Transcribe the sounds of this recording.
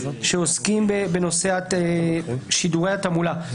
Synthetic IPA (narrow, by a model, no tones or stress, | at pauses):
ʃeoskimbebeno̞seaeʃiduʁe̞jhat̪amula